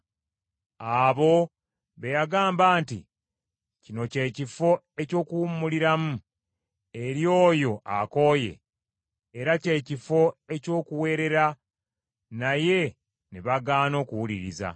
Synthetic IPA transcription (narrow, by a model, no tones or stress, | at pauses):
aβo̞ | βe̞jaɡaːmbaːntḭ | cino̞ce̞ːcifo̞ | e̞co̞ːkuwummːuliɾamu | e̞ɾjo̞ːjo̞ʔa̰ko̞ːje̞̰ː | ɾace̞ːcifo̞e̞co̞ːkuwe̞ːɾe̞ɾa | naje̞ | neβaɡaːno̞ːkuwuliɾiza̰